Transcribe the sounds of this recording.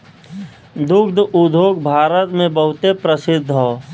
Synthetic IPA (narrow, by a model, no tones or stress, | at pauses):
d̪ʊkd̪ʱud̪ʱoːɡ̚bʱaːɾət̪mẽbəɦʊt̪epɾəsɪd̪ʱːɦoː